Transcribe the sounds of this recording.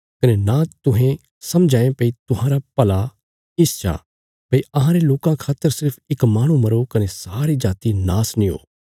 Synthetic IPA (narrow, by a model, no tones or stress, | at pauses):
kɐnenãːt̪ʊɦẽ | sɐmd͡ʒʱãːẽpɐit̪ʊɦãːɾapɐla | ɪst͡ʃʰa̰ː | pɐiɐɦãɾeloːkãkʰaːt̪ːəɾsɪɾpʰɪkmaːɽ̃ũmɐɾokɐnesaːɾid͡ʒaːt̪inaːsnĩo̰ː